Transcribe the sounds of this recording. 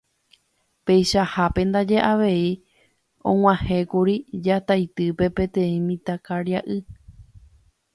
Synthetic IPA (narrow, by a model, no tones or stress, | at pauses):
pe̞jʃahapẽ̞nd̪ad͡ʒe̞ʔaʋe̞i | õ̰ŋ̃ʷãhẽ̞kuɾid͡ʒat̪ajt̪ɨpe̞pẽ̞t̪ẽ̞ĩmĩt̪akaɾjaʔɨ